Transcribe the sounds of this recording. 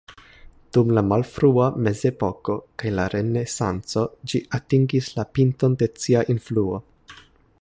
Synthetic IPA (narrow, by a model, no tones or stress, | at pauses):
d̥umlamalfɾuame̞ze̞po̞ko̞kajlaɾe̞ne̞sant͡so̞d͡ʒiʔatiŋɡislapinto̞nde̞t͡siaʔinfluo̞